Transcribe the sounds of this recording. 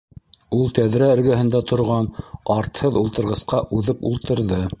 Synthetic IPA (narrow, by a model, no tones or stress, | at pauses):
ulˠt̪æðɾæɵ̆ɾɡæɦɘ̆nd̪æt̪ʰŏɾʁɑnɑɾt̪hɤðulˠt̪ɤ̆ɾʁɤ̆sqɑʔʉðɤpṵlˠt̪ɤ̆ɾðɤ